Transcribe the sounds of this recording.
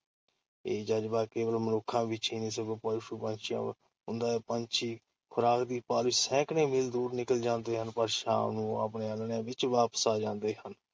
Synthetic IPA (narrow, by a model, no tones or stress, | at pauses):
eːd͡ʒəd͡ʒbaːkeːʋəlmənoːkʰːãːbit͡ʃiːnĩːs̬əɡoːpəlʃuːpənt͡ʃʰɪjã̰ː | ʊnd̪aːeːpəɲt͡ʃʰiː | kʰʊɾaːkd̪iːpaːlɪsɛ̃ːknẽːmɪld̪uːɾnɪkəld͡ʒãːnd̪eːɦənpəɾʃa̰ːmnũːəp̬neːəlɳjãːʋɪt͡ʃʋaːpə̥saːd͡ʒãːnd̪eːɦən